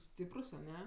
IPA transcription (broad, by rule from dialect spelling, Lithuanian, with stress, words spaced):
ˈsʲtʲiːprʊs ɐˈnʲɛ